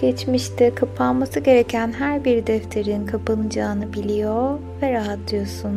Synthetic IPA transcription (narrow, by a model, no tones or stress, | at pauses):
ɟ̥ɛt͡ʃmiʃt̪ʰɪkʰapʰanmasɯɟe̞ɾecʰænɦæɾbiɾd̪ɛft̪ʰeɾinkʰapɯnɯd͡ʒaːnɯbilʲijo | vɛɾaɦat̪lˠɯjo̞sun